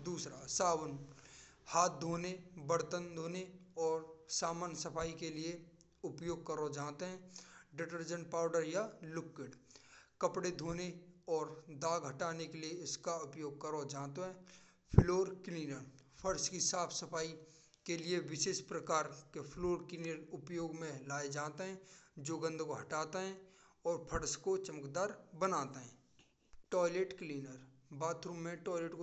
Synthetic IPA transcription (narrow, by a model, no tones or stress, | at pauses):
d̪uːsɾasaːwən | haːt̪̚d̪ʱoːnebəɽt̪ənd̪ʱoːneɔːɾsaːmaːnsəpʰaːikelie | ʊpjoːɡ̚kəɾod͡ʒaːt̪eɦɛ̃ːɖɪʈəɾd͡ʒə̃ɳʈ̚paːʊɖəɾjalʊkːɪɖkəpɽed̪ʱoːneɔːɾd̪aːɡɦɐʈaːnekelieɪskaʊpjoːɡ̚kəɾod͡ʒãːt̪oɦɛ̃ː | pʰloːɾkliːnəɾpʰəɾskisaːpʰsəpʰaːi | kelieʋɪʃeːʃpɾəkaːɾkepʰloːɾkliːnəɾʊpjoːɡmẽlaːed͡ʒaːt̪eɦɛ̃ːd͡ʒoːɡə̃nd̪ʱkoɦɐʈaːt̪eɦɛ̃ | ɔːɾpʰəɽskot͡ʃəməkd̪aːɾbənaːt̪eɦɛ̰̃ː | ʈɔːɪleʈkliːnəɾ | baːt̪ɾũmːẽʈɔːɪleːʈko